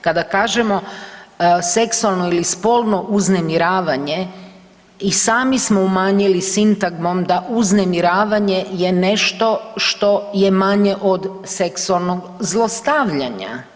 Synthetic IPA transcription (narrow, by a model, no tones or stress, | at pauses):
kad̪akaːʒemo | se̞ksualˠno̞ilispo̞lˠno̞ʔuznemiɾaːʋaɲe̞ | isaːmismoumaːɲilisint̪aɡmo̞md̪aʔuznemiɾaːʋaɲe̞jene̞ʃt̪o̞ʃt̪o̞jemaɲe̞ʔod̪ | seksualˠno̞ɡ | zlˠost̪aʋʎaɲa̰